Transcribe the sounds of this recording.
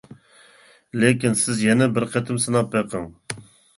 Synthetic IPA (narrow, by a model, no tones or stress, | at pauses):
lekɪnsɨzjɛnɛbəɾqʰɛt̪ɨmsɨnɑpɛqɨŋ